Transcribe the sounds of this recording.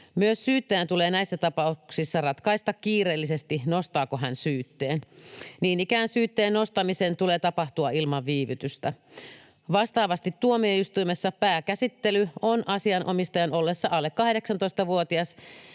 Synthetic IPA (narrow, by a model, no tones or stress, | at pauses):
myøssyːt̪ːæjænt̪uleːnæisːæt̪ɑpɑuksisːɑrɑt̪kɑist̪ɑkkiːreːlːisest̪inost̪ɑːkoɦænsyːt̪ːeːnniːnikæːnsyːt̪ːeːnnost̪ɑmisent̪uleːt̪ɑpɑht̪uɑilmɑʋʋiːʋyt̪yst̪æ | ʋɑst̪ɑːʋɑst̪it̪t̪ːuomieyst̪uimesːɑpæːkæsit̪ːelyonʔɑsiɑnʔomist̪ɑjɑnolːesːɑʔɑlːekkɑhdeksɑnt̪oist̪ɑʋuot̪iɑs